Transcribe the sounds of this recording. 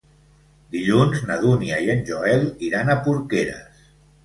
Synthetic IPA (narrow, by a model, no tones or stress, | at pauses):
d̪iʎunznəð̞uniaiənʲʒoɛliɾanəpuɾkeɾə̰s